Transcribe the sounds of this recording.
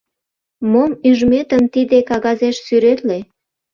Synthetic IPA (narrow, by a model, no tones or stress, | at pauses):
momyʒmet̪əmt̪id̪ekɑɣɑzeʃsyɾet̪le